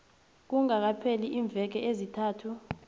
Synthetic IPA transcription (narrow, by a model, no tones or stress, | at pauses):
k̬uŋak̬apʰeliʔiːɱb̪vʱɛk̬ɛʔezitʰaːtʰu